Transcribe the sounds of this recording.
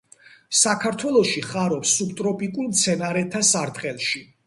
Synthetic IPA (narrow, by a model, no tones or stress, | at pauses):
sakʰaɾt̪ʰwɛlˠɔʃiχaɾɔpsːubt̪ʼɾɔpʼikʼulmt̪sʰɛnaɾɛt̪ʰːasaɾt̪ʼqʼɛlˠʃi